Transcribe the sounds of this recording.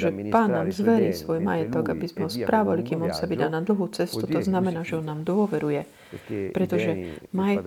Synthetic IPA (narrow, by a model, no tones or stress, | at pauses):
ʒɛpaːnːaːmzʋɛɾiːsʋɔjma̰jɛt̪ɔɡabizmɛɦɔspɾaːʋalikiːmɔnsaʋid̪aːnad̪l̩ˠɦut͡sɛst̪ut̪ɔznamɛnaːʒɛɔnːaːmd̪ʊɔʋɛɾujɛ | pɾɛt̪ɔʒɛmajɛ